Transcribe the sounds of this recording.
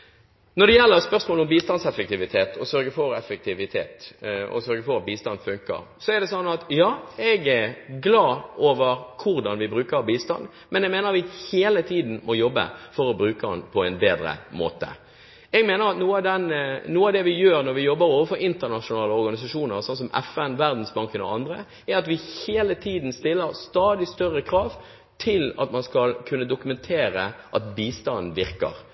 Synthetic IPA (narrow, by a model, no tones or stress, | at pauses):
nɔɾd̪ɛjɛlːəɾspœʁsmoːlɔmbiːst̪ɑnsɛfək̚t̪ɪʋɪt̪ʰeːt̪ʰɔsœɾɡəfɔɾɛfək̚t̪ʰɪʋɪt̪ʰḛːt̪ɔ̰sœɾɡəfɔɾɑt̪̚biːst̪ɑnd̪fʉŋkə̰ɾsɔɛɾd̪ɛsɔnːɑt̪jɑːɛɡɛɾɡlɑːoːʋəɾkʰʊɾd̪ɑnʋɪbɾʉːkəbiːst̪ɑ̰n | mɛnɛɡmeːnəɾʋɪheːlət̪ʰiːd̪n̩mʔɔjɔbːə̰fɔɾɔbɾʉːkəɑ̰npʰɔɛnbeːd̪ɾə̰mo̰ːt̪ə̰ | ɛːɡmeːnəɾɑt̪nuːəɑd̪ɛnnuːəɑːʋd̪ɛʋɪjøːɾnɔɾʋɪjɔbːəɾoːʋəfɔɾɪnt̪əʁnɑʂʊnɑːləɔɾɡɑnɪsɑʂuːnəɾsɑns̬ɔmɛ̰fɛnʋæʁd̪n̩sbɑŋkənɔ̰ɑnd̪ɾə | æɾɑt̪ʋɪheːlət̪ʰiːd̪n̩st̪ɪlːəɾst̪ɑːd̪ɪst̪œɾəkʰɾɑːʋ | t̪ʰɪlɑ̰t̪mɑnskɑlkʰʉnːəd̪ʊkʉmɛnt̪ʰeːɾəʔɑt̪biːst̪ɑnn̩ʋɪɾkə̰ɾ